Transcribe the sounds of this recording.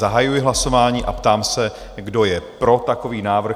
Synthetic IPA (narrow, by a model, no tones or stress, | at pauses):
aɦajujɪɦlaso̞vaːɲiːʔa̰pt̪aːmsɛ | ɡdo̞jɛpɾo̞t̪ako̞viːnaːvr̩